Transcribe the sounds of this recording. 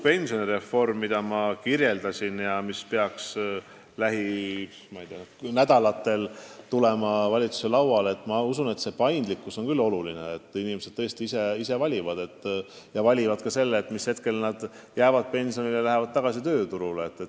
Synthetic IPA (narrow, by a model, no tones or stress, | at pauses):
pe̞nʲsio̞niɾe̞fːo̞rmːid̪̥ɑmɑkirje̞ld̪ɑsʲinjɑmispe̞ɑks | læɦi | mɑijd̪̥eɑnæd̪ɑlɑt̪ːe̞lt̪ule̞mɑvɑlʲit̪su̥se̞lɑwwɑle̞t̪ːˑmɑusune̞t̪se̞pɑjnd̪̥likːˑuso̞nkylːo̞lulineːt̪ːˑinimesed̪̥t̪ːɤ̞est̪iise̞ise̞vɑlʲivɑd̪̥e̞t̪ːˑ | jɑvɑlʲivɑd̪̥kɑse̞lːeːt̪ːˑmishe̞t̪̚ke̞lnɑd̪̥ | jæːvɑd̪̥̚pe̞nʲsioniljɑlæɦevɑd̪̥̚t̪ɑɡ̥ɑsit̪ø̞ːt̪uɾuleet̪ːet̪ː